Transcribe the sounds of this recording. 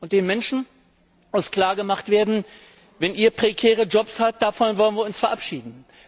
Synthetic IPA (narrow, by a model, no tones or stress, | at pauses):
ʔʊntd̥eːnmɛnʃn̩ | mʊskl̥aːɐɡəmaχtv̥eːɐdn̩ | vɛnʔiːɐpʁ̥ekʰɛːʁəd͡ʒɔpshat̚d̥afɔnvɔlənviːɐʊnsfɛɐʔapʃiːdn̩